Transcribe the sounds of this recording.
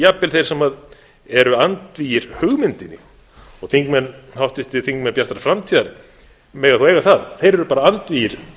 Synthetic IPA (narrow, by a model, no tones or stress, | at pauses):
japːɪlθejɾ̥sɛmað | ɛɾʏant̪viːjɪɾ̥hʏɣmɪnt̪ɪnːɪ̰ | ɔɣθiŋkmɛnhawht̪ɪht̪ɪθiŋkmɛnpjḁt̪ɾaɾfɾamt̪ʰiðaɾ | mɛːɣaθuejɣaθaðθejɾɛɾʏpaːɾaant̪viːjɪɾ̥